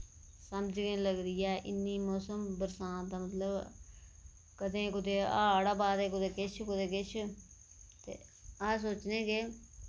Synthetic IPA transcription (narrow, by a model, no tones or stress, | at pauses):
səmd͡ʒɡẽːləɡɾiːɛːʔɪnːiːmoːsəmbəɾsãːnt̪aːmət̪ləb | kəd̪ẽːkʊd̪eːaːɽaːbaːd̪eːkʊd̪eːkɪt͡ʃʰkʊd̪eːkɪt͡ʃʰ | t̪ḛːaːs̬oːt͡ʃnẽːɡe